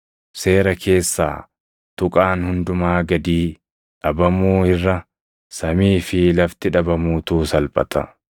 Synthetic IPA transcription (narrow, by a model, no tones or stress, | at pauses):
se̞ːɾɐkʰe̞ːsːa̰ː | t̪ʊkʼaːnhʊnd̪ʊmaːɡɐd̪iː | ᶑɐbɐmuːhɪrːɐ | sɐmiːfɪlɐft̪ɪᶑɐbɐmuːt̪uːsɐlpʼɐ̰t̪ɐ̰